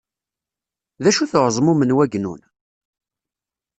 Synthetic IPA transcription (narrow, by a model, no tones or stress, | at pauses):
ðæʃuθoʁzˤmumənwæɡnṵn